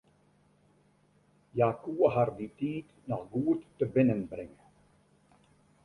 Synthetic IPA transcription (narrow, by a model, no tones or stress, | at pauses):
jaːkuəɦarditiːt | nɔxɡuətːəbɪnənbrɪŋə